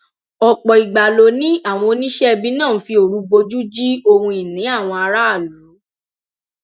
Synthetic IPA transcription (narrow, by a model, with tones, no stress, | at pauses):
ɔ˨k͡pɔ˨i˨ɡ͡ba˨lo˨˦nĩ˦a˦˨w̃ɔ̃˧o˧nĩ˦ʃɛ˦˧bĩ˦nã˦˨˦fi˧o˨ɾu˨˦ɡ͡bo˧d͡ʒu˦d͡ʒi˦o˧hũ˧i˨nĩ˨˦a˦˨w̃ɔ̃˧a˧ɾa˦a˦˨lu˨˦